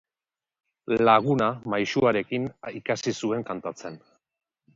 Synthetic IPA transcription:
laɣ̞unamajʃuaɾe̞kinikasisue̞ŋkant̪at͡se̞n

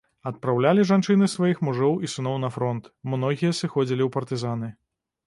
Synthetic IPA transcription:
ɐt̪̚pɾawlʲalʲiʐant͡ʂɨnɨsvajixmuʐɔwʔisɨnɔwnɐfɾɔnt̪mnɔɣʲijɐsɨxɔd͡zʲilʲiwpɐrt̪ɨzanɨ

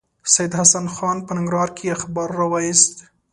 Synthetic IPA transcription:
sajɪd̪hasanxɑnpənɪŋɡɾɑɾkʰeaxbɑɾːɑwɑjist̪

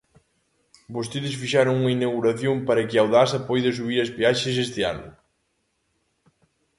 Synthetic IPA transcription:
bost̪eðɪsfiʃaɾoŋuŋɐinaɣuɾɐθjompɐɾɐkɪawðasɐpojðɐs̬uβiɾɐspaʃɐsest̪ɪa̰nʊ

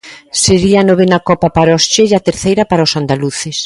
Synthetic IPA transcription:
seɾianɔβenakɔpapaɾost͡ʃeat̪eɾθejɾɐpaɾaosand̪aluθes

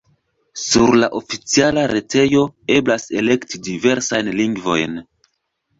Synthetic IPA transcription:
suɾlaʔo̞fit͡sialaɾe̞te̞jo̞e̞blase̞le̞ktidive̞ɾsajnliŋɡvo̞̰jn

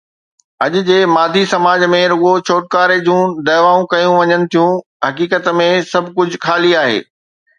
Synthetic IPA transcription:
ɐʄʊ̆d͡ʑeːmaːd̪ʱisɐmaːd͡ʑmẽɾʊɠot͡ɕʰoːʈ̚kaːɾed͡ʑũːd̪ɐːʋaːũkɐjũʋɐɲənɪ̆t̪ʰijũ | ɦɐkiːkət̪mẽsɐbʱkʊd͡ʑʱxaːliaːɦḛː

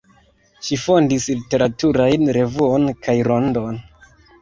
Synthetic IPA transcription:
ʃifo̞ndislite̞ɾatuɾajnɾe̞vuo̞nkajɾo̞ndo̞n

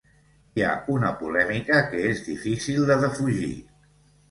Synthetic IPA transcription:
ia̰unəpulɛmikəkəezðifisilˠd̪əðəfuʒḭ

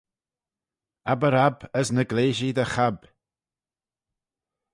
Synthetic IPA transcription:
abəɾabəsnəɡleːʒid̪əxab̥

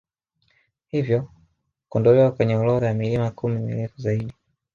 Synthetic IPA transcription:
hivjɔ | kɔndɔlɛwakwɛɲɛɔlɔɾajamilimakumimḭlɛfuzaiɗi

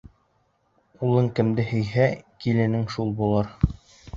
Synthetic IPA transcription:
ulˠɤŋkɘ̆md̪ɘhɵ̆jɦækilɘ̆nɘŋʃulˠbulˠɤɾ

